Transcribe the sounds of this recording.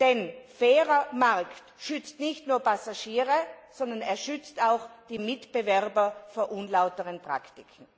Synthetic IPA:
d̥ɛnfɛːʁɐmaʁktʃʏt͡stnɪçtnuːɐpʰasaʃiːʁəsɔndɐneːɐʃʏt͡staʊxd̥iːmɪtb̥əvɛʁbɐfoːɐʔunlaʊtəʁənpʁ̥a̰ktɪkʰn̩

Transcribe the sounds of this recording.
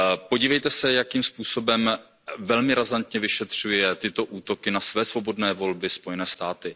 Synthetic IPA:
po̞ɟiːvɛjt̪ɛsɛjakiːmspuːso̞bɛm | vɛlmɪɾazant̪ɲɛvɪʃɛt̪r̝̥ujɛt̪ɪt̪o̞ʔuːt̪o̞kɪnasvɛːsvo̞bo̞dnɛːvo̞lbɪspo̞jɛnɛːst̪aːt̪ɪ

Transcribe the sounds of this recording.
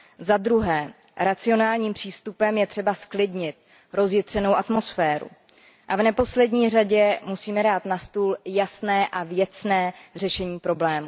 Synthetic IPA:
zad̪ɾuɦɛː | ɾat͡sɪo̞naːlɲiːmpr̥iːst̪upɛmjɛt̪r̝̥ɛbasklɪdɲɪt̪̚ | ɾo̞zjɪt̪r̝̥ɛno̞wʔat̪mo̞sfɛːɾṵ | ʔavnɛpo̞slɛdɲiːr̝aɟɛmusiːmɛdaːt̪nast̪uːljasnɛːʔavjɛt͡snɛːr̝ɛʃɛɲiːpɾo̞blɛːmu

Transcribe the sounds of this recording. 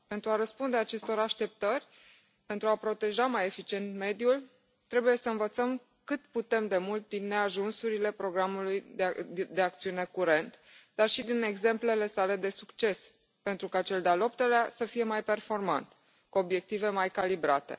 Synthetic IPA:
pe̞nt̪ɾuaɾəspund̪eat͡ʃe̞st̪o̞ɾaʃt̪e̞p̚t̪ərʲ | pe̞nt̪ɾuapɾo̞t̪e̞ʒamaje̞fit͡ʃie̞nt̪me̞d̪jul | t̪ɾe̞buje̞səɨnvət̪səm | kɨt̪put̪e̞md̪e̞mult̪̚d̪inːe̞aʒunsuɾile̞pɾo̞ɡɾamulujd̪e̞ak̚t̪siune̞kuɾe̞nt̪d̪̥arʃid̪ine̞ɡze̞mple̞le̞sale̞d̪e̞sukt͡ʃe̞s | pe̞nt̪ɾukat͡ʃe̞ld̪ealo̞p̚t̪eleasəfije̞majpe̞rfo̞rma̰nt̪ | kuo̞bje̞k̚t̪ive̞majkalibɾat̪e̞̰

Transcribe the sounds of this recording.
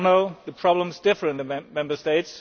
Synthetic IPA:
noʊðəpʰɹ̥ɑblə̃mzdɪfə˞ɨ̃nðəmɛ̃mbə˞steɪts

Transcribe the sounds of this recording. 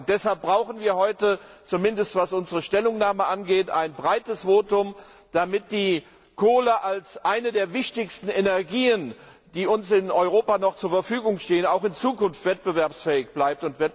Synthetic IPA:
d̥ɛshalp̚b̥ʁaʊxn̩viːɐɦɔʏtət͡sumɪndəstv̥asʔʊnzəʁəʃtɛlʊŋnaːməʔanɡeːta̰ɪnbʁaɪtəsv̥oːtʊm | d̥amɪt̚d̥iː | kʰoːləʔalsʔaɪnədeːɐvɪçtɪçstn̩enɛɐɡiːən | d̥iːʊnsɪnɔʏʁoːpanɔχt͡suːɐfɛɐfyːɡʊŋʃteːənaʊxɪnt͡suːkʊnftv̥ɛt̚b̥əvɛɐpsfɛːɪçb̥laɪp̚tʊntvɛ

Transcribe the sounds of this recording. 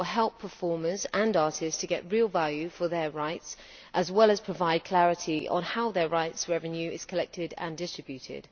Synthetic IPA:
lˠɦɛlˠpʰəfɔːməzə̃nɑˑtʰɪsstʰəɡɛ̰ʔɹiːlˠvaljʉfəðəɹaɪts | ʔəzwɛlˠəz̥pʰɹ̥əvaɪd̚kʰl̥æɹɪtʰiə̰̃nhaʊðəɹaɪtsɹɛvə̃njʉɪz̥kʰəlɛk̚tɪdə̰̃ndɪstɹ̥ɪbjʉtʰɪ̰d̥

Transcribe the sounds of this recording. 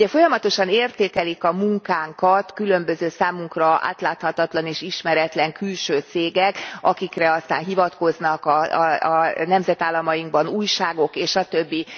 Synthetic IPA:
ɛfo̞jɒmɒt̪o̞ʃɒneːrt̪eːkɛlikɒmuŋkaːŋkɒt̪kylø̞mbø̞zøːsaːmuŋkrɒʔa̰ːt̪laːt̪hɒt̪ɒt̪lɒneːʃiʃmɛɾɛt̪lɛŋkylʃøːt̪seːɡɛkɒ̰kikrɛɒst̪a̰ːnɦivɒt̪ko̞znɒkɒ | nɛmzɛt̪aːlːɒmɒjiŋɡ̚bɒnuːjʃaːɡo̞keːʃʃɒt̪øbːi

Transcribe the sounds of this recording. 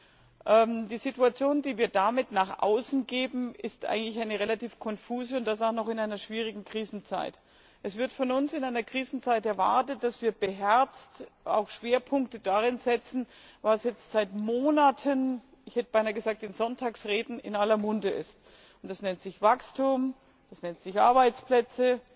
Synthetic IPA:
ʔɛmd̥iːzituat͡sjoːndiːviːɐdamɪtnaːχʔa̰ʊsn̩ɡeːbm̩ɪstʔa̰ɪɡŋ̩tlɪçaɪnəʁelatiːfkʰɔnfuːzəʊntd̥as̬aʊxnɔχɪnaɪnɐʃv̥iːʁ̞ɪɡŋ̩kʁ̥iːzn̩t͡sa̰ɪt | ʔɛsv̥ɪɐtfɔnʊnsɪnaɪnɐkʁ̥iːzn̩t͡saɪtɛɐva̰ɐtət̚d̥asv̥iːɐb̥əɦɛɐt͡sta̰ʊxʃv̥eːɐpʰʊŋk̚tədaʁ̞ɪnzɛt͡sn̩ | vasjɛt͡stz̥aɪtmoːnatʰən | ɪçhɛtəb̥aɪnaɐɡəzaːk̚td̥ɪnzɔntʰaːksʁeːdn̩ɪ̰nalɐmʊndəʔɪ̰st | ʊntd̥asnɛntz̥ɪçv̥akstuːm | d̥asnɛntz̥ɪçʔa̰ɐbaɪt͡splɛt͡sə

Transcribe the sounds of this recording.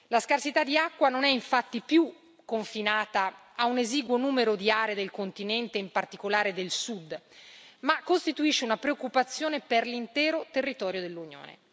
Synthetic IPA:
laskarsit̪ad̪ːiakːwanonɛiɱfat̪ːipju | kːoɱfinaːt̪aː | uneziːɡwonuːmeɾod̪iaːɾed̪elkont̪inɛnt̪eimpart̪ikolaːɾed̪elsud̪ | makːost̪it̪uiʃːeunapɾeokːupat̪sːjoːneperlint̪ɛːɾot̪erːit̪ɔːɾjod̪elːunjo̰ːnḛ

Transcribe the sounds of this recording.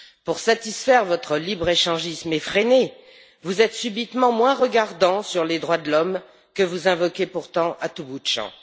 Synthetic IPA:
puʁsat̪isfɛʁvɔt̪χəlibʁeʃɑ̃ʒismefχene | vuzɛt̪sybit̪mɑ̃mwɛ̃ʁəɡaʁd̪ɑ̃syʁled̪ʁwad̪əlɔm | kəvuzɛ̃vɔkʲepuʁt̪ɑ̃ʔat̪ubud̪ʃɑ̰̃

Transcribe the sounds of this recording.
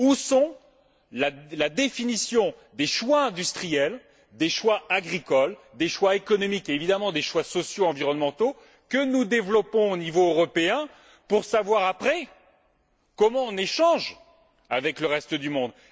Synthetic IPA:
usɔ̃ | lalad̪efinisjɔ̃ | d̪eʃwaɛ̃d̪yst̪χijɛl | d̪eʃwaaɡʁikɔld̪eʃwaekɔnɔmikeːvid̪amɑ̃d̪eʃwasɔsjoɑ̃viʁɔnmɑ̃t̪o | kənud̪evlɔpɔ̃onivoøʁɔpeɛ̃ | puʁsavwaʁapχɛ | kɔmɑ̃ɔ̃neʃɑ̃ʒ | avɛkləʁɛst̪əd̪ymɔ̃d̪

